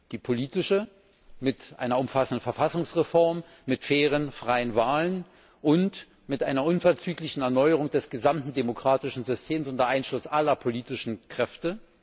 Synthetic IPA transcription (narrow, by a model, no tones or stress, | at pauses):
d̥iːpʰoliːtɪʃə | mɪtʔa̰ɪnɐʊmfasn̩dən̩fɛɐfasʊŋsʁefɔɐmː | ɪtfeːʁ̞ənfʁ̥aɪənvaːlən | ʔʊnt | mɪtʔaɪnɐʔʊnfɛɐt͡syːklɪçn̩ɛɐnɔʏəʁ̞ʊŋdɛsɡ̥əzamtn̩demokʁ̥aːtɪʃn̩zʏstʰeːmsʊntdɐʔaɪnʃlʊsʔalɐpʰoliːtɪʃn̩kʁ̥ɛftə